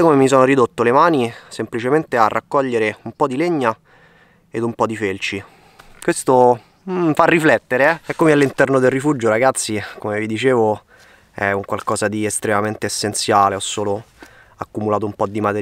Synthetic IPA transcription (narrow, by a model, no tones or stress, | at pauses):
komemis̬oːnoɾid̪ot̪ːolemaːnisemplit͡ʃement̪earːʔakːɔʎːeɾeumpɔd̪ileɲːa | ed̪umpɔd̪ifelt͡ʃi | kwest̪o | farːiflɛt̪ːeɾeɛɛkːomealːint̪ɛrnod̪elrifud͡ʒoɾaɡat̪sːikomevid̪it͡ʃeːvo | ɛ̰uŋkwalkɔːzad̪iest̪ɾemament̪eːsːent̪sjaːleɔsːoːlo | akːumulaːt̪oumpɔd̪ːimat̪e